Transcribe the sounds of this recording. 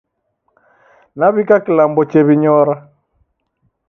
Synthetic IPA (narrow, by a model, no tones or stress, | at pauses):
naβikakilambɔt͡ʃɛβiɲɔɾa